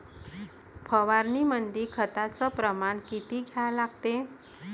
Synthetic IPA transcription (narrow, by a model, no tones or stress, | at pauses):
pʰəʋaɾnimənd̪iːkʰət̪at͡səpɾəmankit̪iːɡʱjalaɡ̚t̪e